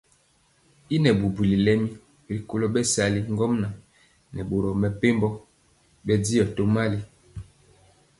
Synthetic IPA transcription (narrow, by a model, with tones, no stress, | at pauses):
i˦nɛ˨bu˨bu˨li˨lɛ˦mi˦˨ | li˨ko˦lo˦bɛ˦sa˨li˦ŋ˦ɡɔ˦mna˨ | nɛ˨bo˨ɾɔ˨mɛ˨pe˦mbɔ˦ | bɛ˦di˦ɔ˨to˦ma˦li˦